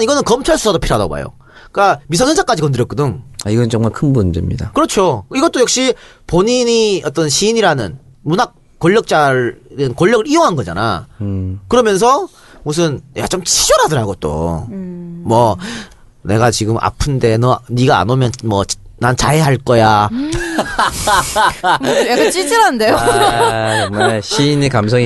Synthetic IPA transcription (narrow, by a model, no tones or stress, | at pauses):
niɡʌnɯnkʌmt͡ɕʰaɭs͈ʰu̥sʰadopʰiɾada̰ɡo̰ba̰jo̰ | k͈amis̬ʰʌnsensʰak͈ad͡ʑikʌndɯɾjʌk͈udɯŋaiɡʌnɯt͡ɕʌŋmaɭkʰɯnbund͡ʑemɲidakɯɾʌt͡ɕʰoiɡʌt͈ojʌk̚ɕ͈i | poɲiɲiʌt͈ʌnɕʰiɲiɾanɯn | munak | k͈ːoʎːʌk̚t͡ɕ͈adɯnkoʎːʌɡɯɾijoŋɦanɡʌd͡ʑa̰na̰ | kɯɾʌmjʌns̬ʰʌ | mus̬ʰɯnja̰t͡ɕomt͡ɕʰid͡ʑʌɾɦadɯɾɦaɡot͈o̰ | mwʌ | ne̞ɡat͡ɕiɡɯmʔa̰pʰɯnde̞nʌniɡaa̰nomjʌnmʌt͡ɕ | nant͡ɕaeɦaɭk͈ʌja | jakat͡ɕ͈it͡ɕʰeɾandejo | ɕʰiːnekams̬ʰoŋi